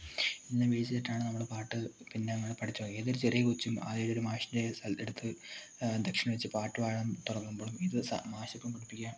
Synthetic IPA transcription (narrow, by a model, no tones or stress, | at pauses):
inːɐʋeːsitɐʈːaːɳɨnɐmːuɽepaːʈːɨpinːenɐŋːɐɭpɐʈʰit͡ɕːuʋoːɡieːðoɾut͡ɕerijɐkut͡ɕːumɐ̰ðejɽoɾumaːɕinde̞sɐleɽut̪ʰːɨ | d̪ekʂɐnɐʋɐt͡ɕːɨpaːʈːɨʋaːjɐɳɐmt̪urɐŋːumboːɭumiðɨsɐ̰maːɕɐkʲːumkɐɽipːikʲːaːm